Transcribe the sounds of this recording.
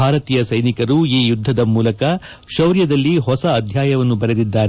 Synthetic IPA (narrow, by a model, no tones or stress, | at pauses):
aːɾɐt̪iːjɐsɐjnikɐɾuiːjud̪ʱːɐd̪ɐmuːlɐkɐ | ʃɐwɾjɐd̪ɐlːiɦɔsɐːd̪ʱjaːjɐʋɐnːubɐɾed̪id̪ːaːɾe